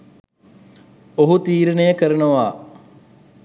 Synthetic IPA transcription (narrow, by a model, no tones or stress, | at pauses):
oɦut̪iːɾənejəkəɾɐnuʋaː